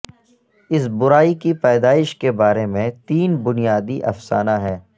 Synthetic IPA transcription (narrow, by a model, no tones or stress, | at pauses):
ɪsbʊɾaːikipɛːd̪aːɪʃkebaːɾemẽt̪iːnbʊnijaːd̪iʔɐfsa̰ːnaɦɛː